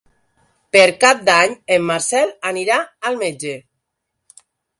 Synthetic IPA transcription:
peɾkap̚d̪aɲemːaɾsɛlaniɾaalˠmed͡ʒe

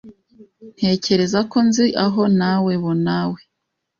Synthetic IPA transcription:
n̥he̞ːce̞ɾe̞zako̞nziʔaɦo̞nawe̞βonawe

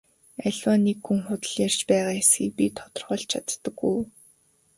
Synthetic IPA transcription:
æɮʲwaːnːikxuŋχʊt̪ə̆ɮjar̥t͡ɕpæːʁaːjasxiːk̚pʲit̪ʰɔ̥t̪ɞ̆rʁœːɮt͡ɕʰat̪ːə̆ɡuj

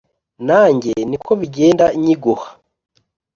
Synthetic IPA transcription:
naːɲɟe̞nikʰo̞βiɟe̞ːndaiɲiɡohḁ

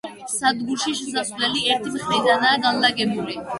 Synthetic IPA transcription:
sad̪ɡuɾʃiʃɛsaslɛliɛɾt̪ʰimiχɾid̪anaːɡanlaɡɛbuli

